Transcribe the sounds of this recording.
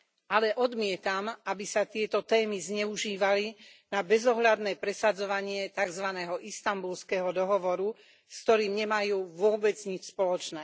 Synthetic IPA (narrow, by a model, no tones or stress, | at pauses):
alɛʔɔd̪mɪɛt̪amabisat̪ɪɛt̪ɔt̪ɛːmizɲɛuʒiːʋalinabɛzɔɦʎad̪nɛːpɾɛsad͡zɔʋaɲɪɛt̪aɡzʋanɛːɦɔʔist̪ambulskɛɦɔd̪ɔɦɔʋɔɾu | skt̪ɔɾiːmɲɛmajuːʋʊɔbɛd͡zɲit͡ʃspɔlɔt͡ʃnɛː